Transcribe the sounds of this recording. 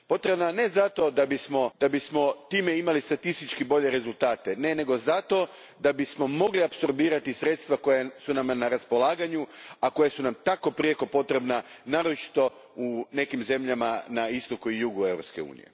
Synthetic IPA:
po̞t̪ɾe̞bnane̞zat̪o̞d̪abismo̞d̪̥abismo̞t̪iːmeimalist̪at̪ist̪it͡ʃkibo̞ʎe̞ɾe̞zulˠt̪aːt̪e̞ne̞ne̞ɡo̞zat̪o̞ | d̪abismo̞mo̞ɡliapso̞ɾbiːɾat̪isɾet̪st̪ʋako̞jesunamnaɾaspo̞laːɡaɲuako̞jesunamt̪ako̞pɾijeko̞po̞t̪ɾe̞bnanaːɾot͡ʃi̥t̪o̞ | une̞kimze̞mʎamanaist̪o̞kuijuɡuevɾo̞pske̞ṵːnḭje̞̰

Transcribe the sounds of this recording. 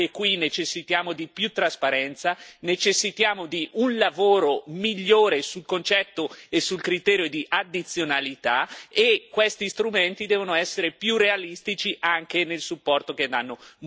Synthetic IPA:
ekːwinet͡ʃesːit̪jaːmod̪ipjut̪ːɾaspaɾɛnt̪sanet͡ʃesːit̪jaːmod̪iʔunlavoːɾomiʎːoːɾesulkont͡ʃɛt̪ːoesulkɾit̪ɛːɾjod̪iʔad̪ːit̪sːjonalit̪aekːwest̪ist̪ɾument̪id̪ɛːvonoɛsːeɾepjurealist̪it͡ʃiʔaŋk̟enelsupːɔrt̪ok̟ed̪anːo

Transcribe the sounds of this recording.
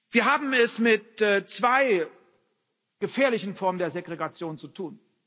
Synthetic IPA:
v̥iːɐɦaːbm̩ɛsmɪt̚ːt͡sv̥aɪ | ɡ̥əfeːɐlɪçn̩fɔɐməndeːɐzeɡʁeɡat͡sjoːnt͡sutʰuːn

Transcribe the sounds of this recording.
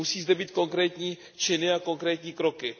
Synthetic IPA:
usiːzd̪ɛbiːt̪koŋkɾɛːt̪ɲiː | t͡ʃɪnɪakoŋkɾɛːt̪ɲiːkɾokɪ

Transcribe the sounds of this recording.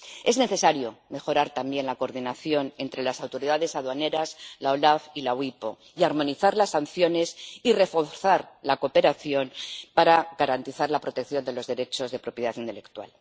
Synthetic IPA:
e̞zne̞θe̞saɾjo̞me̞xo̞ɾaɾt̪ambje̞nlako̞ɾðinaθjo̞ne̞nt̪ɾe̞lasawt̪o̞ɾiðaðe̞saðwane̞ɾazlao̞lafilawipo̞̰ | iaɾmo̞niθaɾlasːanθjo̞ne̞sire̞fo̞ɾθaɾlako̞pe̞ɾaθjo̞npaɾaɣaɾant̪iθaɾlapɾo̞t̪e̞kθjo̞nd̪e̞lo̞zðe̞ɾe̞t͡ʃo̞zðe̞pɾo̞pjaθint̪ele̞kt̪wa̰l

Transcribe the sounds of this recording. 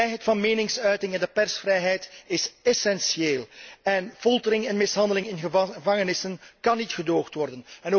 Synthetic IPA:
jɦɛjtfɑnmeːnɪŋsœɥtɪŋɛndəpɛrsfrɛjɦɛjtɪsɛsɛnsjeːlɛnfɔlˠtəɾɪŋɛnmɪsɦɑndəlɪŋɪnɣəvɑŋənɪsənkɑnːitxədoːxtʋɔrdənɛno

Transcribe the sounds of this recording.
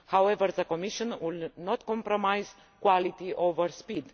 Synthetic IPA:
hawevəɾðəkomiʃɔ̃nwilnot̪kɔ̃mpɾomajz | kwalit̪iʔovəɾspid̪

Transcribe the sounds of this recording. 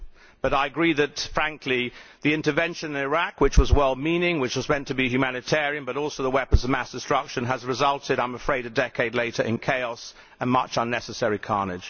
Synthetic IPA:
b̥ʌɾaɪɨɡɹiðɨt̚fɹæ̃ŋkʰliðiɪ̃ntəvɛ̃nʃɨ̃nɨ̃nɪɹækwɨt͡ʃwʌzwɛlˠmĩnɪ̃ŋwɨt͡ʃwʌzmɛ̃ntʰɨbihjʉmænɨtʰɛɹiɨ̃nbʌɾɔlˠsoʊðəwɛpə̃nzəvmæsd̥ɨstɹ̥ʌkʃɨ̃nəzɹɨzʌlˠtʰɨɾãɪ̃məfɹeɪɾɨdɛkʰeɪdˡleɪɾə˞ʔɨ̰̃nkʰeɪɑs | ə̃nmʌt͡ʃʌ̃nːɛsəsɛɹikʰɑɹnɪd̥ʒ̥

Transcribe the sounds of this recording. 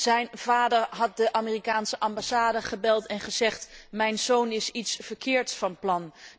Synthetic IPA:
z̥ɛjnvaːdəɹɦɑt̚dəʔamiːrikaːnsəʔɑmbasaːdəχəbɛlˠtɛnχəzɛχtmɛjnzownɪsitsfəɹkɪːɹtsfɑnplɑn

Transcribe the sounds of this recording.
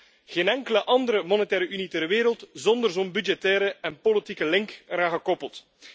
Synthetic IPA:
ɣeːnɛŋkələʔɑndəɾəmɔnɛtɛːɾəʔynitərʋeːɾəlˠtzɔndərzombydd͡ʒɛtɛːɾəɛnpolitikəlɪŋkraːɣəkɔpəlˠt

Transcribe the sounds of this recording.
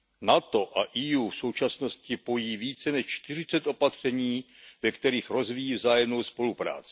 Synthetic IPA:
nat̪o̞ʔaʔijuːfso̞wt͡ʃasno̞scɪpo̞jiːviːt͡sɛnɛʃt͡ʃt̪ɪr̝ɪt͡sɛt̪ʔo̞pat̪r̝̥ɛɲiːvɛkt̪ɛɾiːxɾo̞zvijiːvzaːjɛmno̞wspo̞lupɾa̰ːt͡sɪ̥

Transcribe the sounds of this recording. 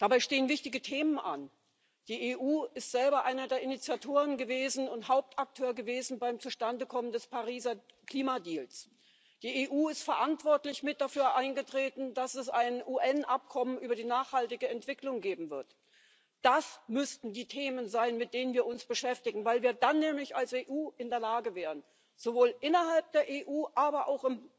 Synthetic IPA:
d̥abaɪʃteːənvɪçtɪɡətʰeːmənʔan | d̥iːeːʔuːʔɪstz̥ɛlbɐʔaɪnɐdeːɐɪnit͡sjatʰoːʁ̞ənɡəveːzn̩ʊnthaʊp̚tʔak̚tʰøːɐɡəveːzn̩baɪmt͡suʃtandəkʰɔməndɛspaʁ̞iːzɐkl̥iːmadiːls | d̥iːeːʔuːɪstfɛɐʔantv̥ɔɐtlɪçmɪt̚d̥afyːɐʔaɪnɡətʁ̥eːtn̩d̥asɛsaɪnʔuːʔɛnʔap̚kʰɔmənʔyːbɐdiːnaːχhaltɪɡəɛntv̥ɪklʊŋɡeːbm̩vɪɐt | d̥asmʏstn̩diːtʰeːmənzaɪnmɪt̚d̥eːnənviːɐʊnsb̥əʃɛftɪɡŋ̩vaɪlviːɐdanːɛːmlɪçalseːʔuːʔɪndeːɐlaːɡəvɛːʁ̞ən | z̥ovoːlʔɪnɐɦalp̚d̥eːɐʔeːʔuːʔaːbɐʔa̰ʊxɪm

